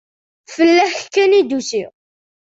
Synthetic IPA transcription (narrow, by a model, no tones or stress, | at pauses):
fəlːæħkːænid̪usi